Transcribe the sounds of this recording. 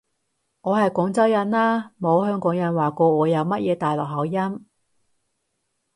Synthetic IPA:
ŋɔː˨˧hɐ˨jkɔː˨˥ŋt͡sɐ˥wjɐ˨˥nlaː˥mo˨˧whœː˥ŋkɔː˨˥ŋjɐ˨˥nwaː˨˩kɔː˧ŋɔː˨˧jɐ˨˧wmɐ˥t̚jɛː˨˧t̪aː˨jlɔː˨˩k̚ɦɐ˨˥wjɐ˥m

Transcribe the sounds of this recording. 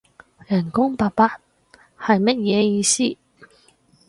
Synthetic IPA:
jɐ˨˩nkʊ˥ŋpaː˨˧t̚paː˧˥t̚ | hɐ˨jmɐ˥t̚jɛː˨˧jiː˧siː˥

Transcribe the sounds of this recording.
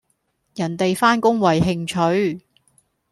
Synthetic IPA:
jɐ˨˩nt̪e˨jfaː˥nkʊ˥ŋwɐ˨˩jɦɪ˧ŋt͡ʃʰɵ˨˥ɥ

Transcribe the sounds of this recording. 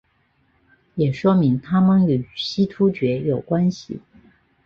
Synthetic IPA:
jɛ˨˩ʂwɔ˥mi˧˥ŋt̪ʰa˥mə˨ny˨˩ɕi˥t̪ʰu˥t͡ɕɥɛ˧˥jo˨˩ʊkwa˥nɕḭ˨˩

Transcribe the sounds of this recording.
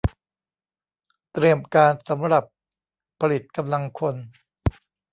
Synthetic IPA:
t̪ɾi˧əmkaː˧nsa˩˦mɾa˨˩pʰː | a˧li˨˩t̪̚ka˧mla˧ŋkʰo˧n

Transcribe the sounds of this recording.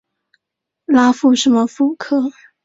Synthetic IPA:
la˥fu˥˩ʂə˧˥nmə˧fu˥˩kʰɤ˥˩

